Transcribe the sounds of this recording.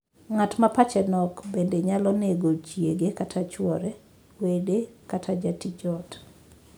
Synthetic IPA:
ŋatmapat͡ʃɛnɔkbendeɲalɔneɡot͡ʃieɡekatʰat͡ʃwɔɾɛ | wedekatʰad͡ʒatid͡ʒɔt

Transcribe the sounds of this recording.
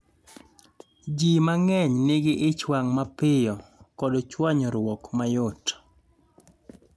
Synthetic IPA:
d͡ʒimaŋɛɲnɪɡɪʔɪt͡ʃwaŋmapɪjɔkɔdɔt͡ʃwaɲɔɾwɔkmajot

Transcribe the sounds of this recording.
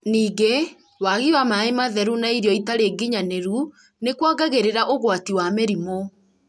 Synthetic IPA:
niːɡe | waɣiwamaemaðɛɾunaiɾjɔitaɾeːɡiɲaneɾu | nekwaɡaɣeɾeɾaʔoɣwatiwameɾimo

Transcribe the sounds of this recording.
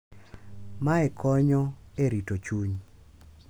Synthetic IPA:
maɛkʰɔɲɔeɾitot͡ʃuɲ

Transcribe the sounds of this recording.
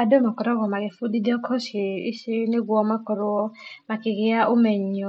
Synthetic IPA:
adomakɔɾɔɣɔmaɣefudideɔkʰɔʃiiʃineɡwɔmakɔɾɔɔmakiɣeaʔomɛɲɔ

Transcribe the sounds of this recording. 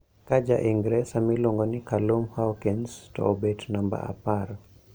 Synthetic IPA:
kad͡ʒa̰ʔiŋɡɾɛsamiloŋɡɔnikalumhawkinstɔ̰obetnamba̰a̰paɾ

